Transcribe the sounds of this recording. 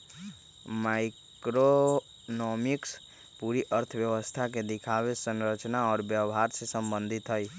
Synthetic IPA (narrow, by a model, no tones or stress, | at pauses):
maɪ | kɾo | nɔmiks | puɾiʔəɾt̪ʰwjəwəst̪ʰaked̪ɪkʰawesə̃nɾət͡ʃnaɔːɾbjəɦaɾsesəmbənd̪ʱit̪ɦəj